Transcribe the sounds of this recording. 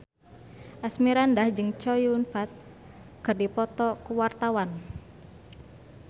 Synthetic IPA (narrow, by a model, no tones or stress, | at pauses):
ʔasmiɾandahd͡ʒɨŋt͡ʃɔjuunfat̪̚ | kɨrdipɔt̪ɔkuwart̪awan